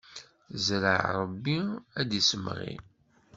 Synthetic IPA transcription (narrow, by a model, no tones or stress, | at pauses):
zɾə̰ʕɾˤəbːiæd̪isəmʁḭ